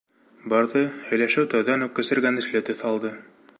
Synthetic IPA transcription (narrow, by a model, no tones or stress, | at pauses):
bɑɾðɤhɵ̆jlæʃɘwt̪æwðænʉp̚kɘ̆sɘ̆ɾɡænɘ̆ʃlɘt̪ɵθɑlˠd̪ɤ